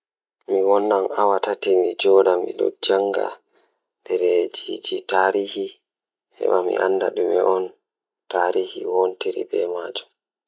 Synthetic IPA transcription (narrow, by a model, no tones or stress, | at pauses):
miwɔnːamawatatimid͡ʒɔːɗamḭɗɔ̰d͡ʒaŋɡa̰ | ndɛɾɛd͡ʒid͡ʒitaːɾiːhi | hɛ̰ɓamḭʔanːdaɗumɛʔɔn | taɾiːhiwontiɾḭbɛmaːd͡ʒum